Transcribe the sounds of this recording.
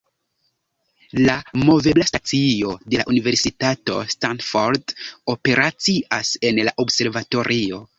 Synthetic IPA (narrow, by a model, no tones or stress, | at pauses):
lamo̞ve̞blastat͡sio̞de̞laʔunive̞ɾsitato̞̰stanfoɾdo̞pe̞ɾʔat͡siʔase̞nlaʔobse̞ɾvato̞ɾʔio̞